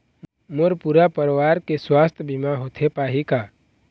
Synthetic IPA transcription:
moɾpuɾapəɾwaːɾkeswaːst̪ʰbʱimãɦoːt̪ʰepaːɦikaː

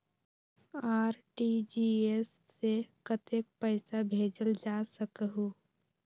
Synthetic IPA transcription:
aːɾʈid͡ʒiesːekət̪ek̚pəɪsabʱeːd͡ʒəld͡ʒasəkɦu

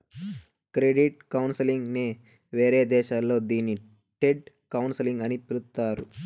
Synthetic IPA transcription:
kɾeɖiʈ̚kɐwnsɐliŋɡneː | ʋeːɾeːd̪ɛːʃaːlːo̞ːd̪iːni | ʈeɖ̚ | kɐwnsɐliŋɡɐnipilut̪ːaːɾu

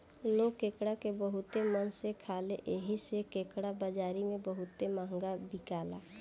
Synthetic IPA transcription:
lokeːkɽakebəɦʊt̪emənsekʰaːleʔeɦisekeːkɽabəd͡ʒaːɾimẽbəɦʊt̪ːemaːŋɡabɪkaːlaː

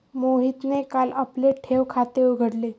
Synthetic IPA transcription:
moɦit̪nekalapleʈʰeʋkʰat̪euɡʱəɽle

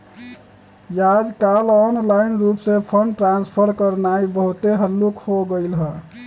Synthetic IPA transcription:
jad͡ʒkalɔnlainɾupsẽpʰəɳɖʈɾanspʰəɾkəɾnaibəɦut̪eɦəlːukhoɡəɪlɦə

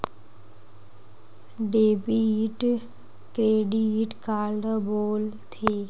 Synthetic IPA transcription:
ɖeːbiʈ | kɾeːɖiʈkaːɾɖəboːlt̪ʰeː

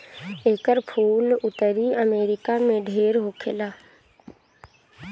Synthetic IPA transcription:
eːkəɾpʰuːlʊt̪əɾiəmeːɾɪkamẽɖʱeːɾɦoːkʰelaː

